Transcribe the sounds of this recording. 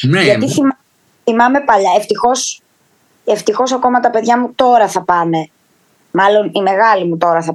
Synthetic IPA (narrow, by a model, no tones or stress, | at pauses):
ʝɐt̪iθim | θimɐme̞pɐʎɐeft̪ixo̞s | eft̪ixo̞sɐko̞mɐt̪ɐpe̞ðʝɐmut̪o̞ɾɐθɐpɐne̞ | mɐlo̞nime̞ɣɐlimut̪o̞ɾɐθɐ